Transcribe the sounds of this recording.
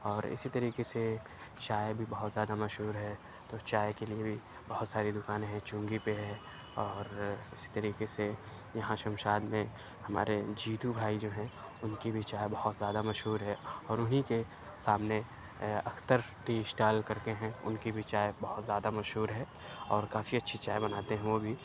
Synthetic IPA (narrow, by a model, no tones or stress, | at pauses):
ɔːɾɪ̰sit̪ɐɾiːkese | t͡ʃaːjebʱibɐɦʊt̪zjaːd̪amɐʃɦuːɾɦɛ | t̪ot͡ʃaːekeliebʱi | bɐɦʊt̪saːɾid̪ʊkaːnẽɦɛ̃t͡ʃʊ̃ːŋɡipeɦɛ | ɔːɾɪsi̥t̪ɐɾiːkese | jɐɦãʃɐ̃mʃaːd̪mẽ | hɐma̰ːɾed͡ʒiːt̪ubʱaːid͡ʒoːɦɛ̃ | ʊnkibʱit͡ʃaːjebɐhʊt̪zjaːd̪amɐʃɦuːɾɦɛɔːɾʊnɦike | saːmne | ɐ̰kʰt̪əɾ | ʈiːsʈaːlkɐɾk̪eɦɛ̃ʊ̰nkibʱit͡ʃaːebɐɦʊt̪zjaːd̪amɐʃɦuːɾɦɛː | ɔːɾkaːfiɐtːʃʰit͡ʃaːebɐnaːt̪eɦɛ̃ʋobʱi